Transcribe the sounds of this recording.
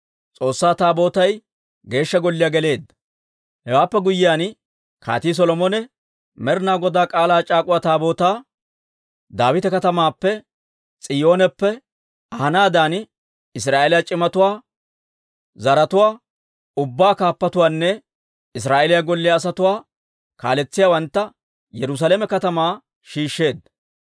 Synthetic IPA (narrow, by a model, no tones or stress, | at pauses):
t͡sʼo̞ːsːaːt̪aːbo̞ːt̪ɐj | ɡe̞ːʃːɐɡɔlːɪjaːɡɛle̞ːd̪ːɐ̥ | hɛwaːpːɛɡʊjːɪjaːn | kʰa̰ːt̪iːs̬ɔlɔmɔnɛ | mɛɾnaːɡɔd̪aːkʼaːlaːt͡ʃʼaːkʼʊwaːt̪aːbo̞ːt̪aː | d̪aːwɪt̪ɛkɐt̪ɐmaːpːɛ | t͡sʼɪjo̞ːnɛpːɛ | ɐhɐnaːd̪aːn | ɪs̬ɾaːʔelɪjat͡ʃʼɪmɐt̪ʊwaː | zɐɾɐt̪ʊwaː | ʊbːaːkaːpːɐt̪ʊwaːnːɛ | ɪs̬ɾaːʔelɪjaɡɔlːɪjaːs̬ɐt̪ʊwaː | ka̰ːlɛt͡sːɪjaːwɐnt̪ːɐ | jɛɾʊs̬aːlɛmɛkɐt̪ɐmaː | ʃiːʃːe̞ːd̪